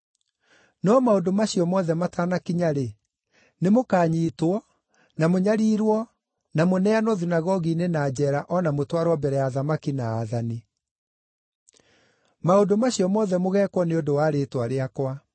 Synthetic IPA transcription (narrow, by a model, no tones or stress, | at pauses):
nɔmaodomaɕiɔmɔðɛmataːnakiɲaɾe | nemokaːɲiːtwɔ | namoɲaɾiːɾwɔ | namonɛanɔðinaɣɔɣinenad͡ʑɛːɾaʔɔnamotwaɾwɔbɛɾɛjaðamakinaːðani | maodomaɕiɔmɔðɛmoɣɛːkwɔneodowaːɾeːtwaɾeakwa